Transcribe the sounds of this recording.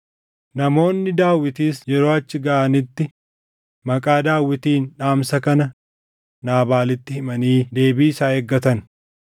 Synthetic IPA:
nɐmo̞ːnːɪd̪aːwːɪt̪iːsd͡ʒɛɾo̞ːɐt͡ʃːɪɡɐʔɐnɪt̪ːɪ | mɐkʼaːd̪aːwːɪt̪iːnᶑaːmsɐkɐnɐ | naːbaːlɪt̪ːɪhɪmɐniːd̪e̞ːbiːɪsaːeɡːɐt̪ɐn

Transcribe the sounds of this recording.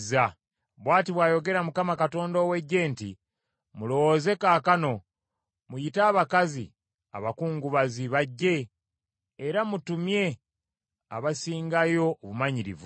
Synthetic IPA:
za | βwaːtiβwaːjo̞ɡe̞ɾamukamakato̞ːndoːwe̞ɟːe̞ːntḭ | mulo̞woze̞kaːkano̞ | mujitaːβakazḭ | a̰βakuːŋɡuβaziβaɟːe̞ː | ɾamutumje̞ | a̰βasiːŋɡajo̞ːβumaɲiɾḭvu

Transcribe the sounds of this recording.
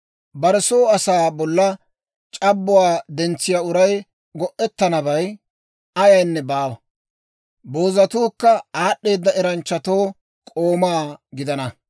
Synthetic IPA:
bɐɾɛsoːɐsaːbɔlːɐ | t͡ʃʼɐbːʊwaːd̪ɛnt͡sːɪjaːʊɾɐj | ɡɔʔɛt̪ːɐnɐbɐj | ɐjɐjnːɛbaːwɐ | bo̞ːzɐt̪uːkːɐaːɗːe̞ːd̪ːɐɛɾɐnt͡ʃːɐt̪o̞ː | kʼoːmaːɡɪd̪ɐnɐ

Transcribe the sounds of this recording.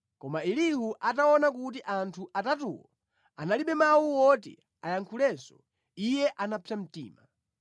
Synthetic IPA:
kɔmailihuʔataɔnakut̬iʔantʰuʔatatṵwɔ̰ | analiɓɛmawuwɔtɛ̰ | ajaŋkʰulɛsɔ | ijɛʔanapʰam̩tḭːma

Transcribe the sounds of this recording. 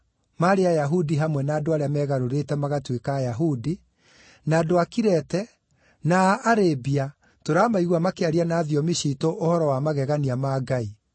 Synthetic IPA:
maɾeajaɦudiɦamwɛnaːdoaɾeamɛɣaɾoɾetɛmaɣatwekaːjaɦudi | naːdoakiɾɛtɛ | naːɾebia | toɾamaiɣwamakeaɾianaðiɔmiɕitoʔohɔɾɔwamaɣɛɣaniamaːɡai

